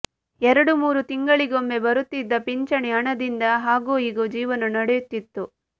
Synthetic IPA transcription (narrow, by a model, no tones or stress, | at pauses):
ɛɾɐɽumuːɾut̪iŋɡɐɭiɡo̞mbe̞bɐɾut̪ːid̪ːɐpiɲt͡ʃɐɳɛɐɳɐd̪ind̪ɐɦaːɡuːiːɡod͡ʒiːʋɐnɐnɐɽejut̪ːit̪ːu